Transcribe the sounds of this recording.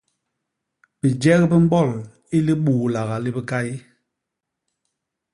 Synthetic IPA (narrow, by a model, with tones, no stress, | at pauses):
bi˨d͡ʒɛ˦ɣbi˦m̩˦bɔ˦˨l | i˦li˦ɓuː˨la˨ɣa˨li˦bi˦ka˦i˦